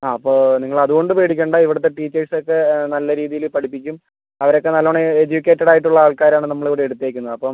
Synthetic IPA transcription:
aːɐpːo̞ːniŋːɐɭɐðuɣo̞ɳɖɨpeːɽikʲːeɳɖoiʋiɽɐt̪ːe̞ʈiːt͡ɕːɐrsokːenɐlːɐɾiːðijilpɐʈipːikʲːum | ɐʋɐɾo̞kːe̞nɐlːoɳeed͡ʑukʲːe̞ːtːɐɽaːjiʈ̬ːuɭːɐaːɭkaːɾaːɳɨnɐmːɐɭiʋiɽeeɽut̪ːeːkʲːunːɐðɐpːom

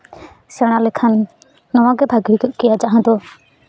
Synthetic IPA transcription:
sɛɽ̃alɛkʰanː | ɔwãɡɛbʱaɡiɾikɔʔkijad͡ʒaʔɦãd̪ɔ

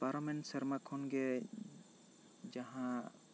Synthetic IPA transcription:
paɾamɛnʈsɛɾmakʰɔnɡɛ | d͡ʒaɦã

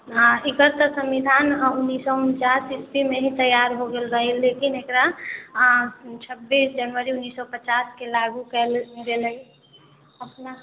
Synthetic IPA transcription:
ɪkət̪ːsə̃mid̪ʱaːnʊnːiːsɔʊnt͡ʃaːsɪspimẽɦĩt̪əjaɾɦoɡelɡəɦilekɪnekɾa | t͡ʃʰəbːiːsd͡ʒənʋəɾiʊnːiːsːɔpət͡ʃaːskelaɡukɛlɡeləi | əpna

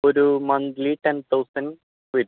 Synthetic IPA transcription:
oɾumɐnt̪liʈent̪ʰɐwsɐn | ʋid

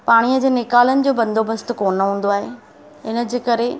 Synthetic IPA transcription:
paːɽ̃ijəd͡ʑeːnɪkaːlənɪ̆d͡ʑoːbɐ̃nd̪ʱobəst̪koːnəɦũːn̆d̪oaːɦe | ɪnə̆d͡ʑeːkɐɾe

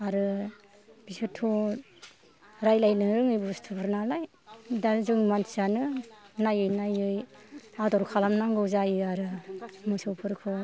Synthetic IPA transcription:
aɾɯ | b̥isɯtʰːu | ɾajlajlɯɾɯŋɯjbustʰɯpʰɯɾnalaj | dazɯŋmansanɯnajɯjnajɯjadɔɾkʰalamnaŋɡɯwzajɯaɾɯmusɔwpʰɯɾkʰɯ

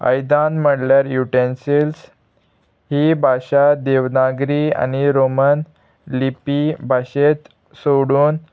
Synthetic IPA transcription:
ə̰jd̪ãnm̤əɽljaɾjuʈensils | hiːbʱaɕad̪eʋnaɡɾia̰niɾomən | lipibʱaɕet̪ | soɽuːn

